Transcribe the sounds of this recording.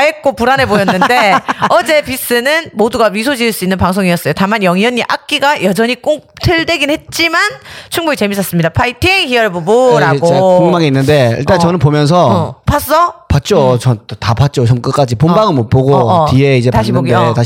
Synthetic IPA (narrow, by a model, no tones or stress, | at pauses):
aek͈opuɾanɦe̞bojʌnːɯndeʌd͡ʑe̞pis͈ɯnɯnmoduɡaɥisʰod͡ʑiɯɭs͈uinːɯnpaŋsʰoŋiʌs͈ʌjotamanjʌŋjʌɲːiʔak̚k͈iɡajʌd͡ʑʌɲik͈oŋtʰɯɭdweɡinhe̞t̚t͡ɕ͈imant͡ɕʰuŋboɡit͡ɕe̞mis͈ʰʌs͈ɯmɲidapʰaitʰiŋhiʌɭboboɾaɡoekuŋmaŋiinːɯnde̞ḭɭt͈ant͡ɕʌnɯnpomjʌns̬ʰʌpʰas͈ʌpat̚t͡ɕ͈ot͡ɕʌntapat̚t͡ɕ͈ot͡ɕʌmk͈ɯk͈ad͡ʑipombaɡɯɭmop͈oɡotieid͡ʑe̞taɕioɡota